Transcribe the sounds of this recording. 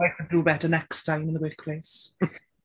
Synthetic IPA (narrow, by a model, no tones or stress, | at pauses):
aɪkʰəddubɛtənɛkstʰãɪ̃mɪ̃nðəwɪk̚pʰl̥eɪs